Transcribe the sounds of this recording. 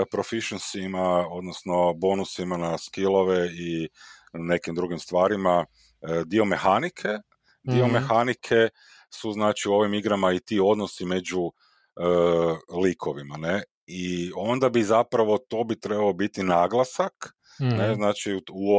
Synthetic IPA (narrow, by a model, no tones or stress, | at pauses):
pɾo̞fiʃensimao̞d̪nosno̞bo̞ːnusimanaskilˠo̞ʋei | ne̞kimd̪ɾuɡimst̪ʋaːɾima | d̪io̞me̞xanikʰe̞ | d̪io̞mexanikʰe̞ | suznaːt͡ʃiuo̞ʋimiɡɾamait̪io̞d̪no̞sime̞d͡ʒu | əliːkʰo̞ʋimane̞ | io̞nd̪abizapɾaʋo̞t̪o̞bit̪ɾe̞bao̞bit̪inaːɡlˠasak | neznaːt͡ʃiu